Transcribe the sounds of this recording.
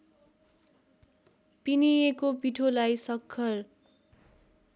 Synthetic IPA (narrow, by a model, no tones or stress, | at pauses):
pinijekopiʈʰolajsʌkʰːʌr